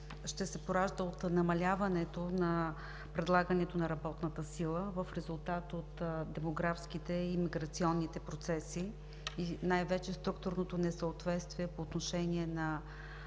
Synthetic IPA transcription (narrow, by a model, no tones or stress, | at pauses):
ʃt̪ɛsɛpoɾaʒd̪əot̪nɐmɐlʲavənɛt̪onɐ | pɾɛd̪lˠaɡənɛt̪onɐɾɐbɔt̪nət̪əsilˠəvəfɾɛzulˠt̪at̪ot̪d̪ɛmoɡɾafsk̟it̪ɛimiɡɾɐt̪siɔnːit̪ɛpɾot̪sɛsi | inajvɛt͡ʃɛst̪ɾuk̚t̪ʊɾnot̪onɛsəot̪vɛt̪st̪viɛpoːt̪noʃɛniɛnɐ